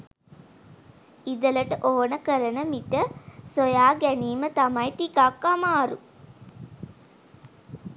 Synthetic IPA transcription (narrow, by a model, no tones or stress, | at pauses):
id̪ələʈəʔoːnəkəɾənəmiʈəsojaːɡæniːmət̪amajʈikakːamaːɾṵ